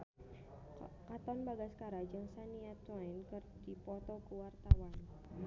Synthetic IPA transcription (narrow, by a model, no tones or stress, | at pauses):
kat̪ɔnbaɡaskaɾad͡ʒaŋsaniat̪waɪnkərdipɔt̪ɔkuwart̪awan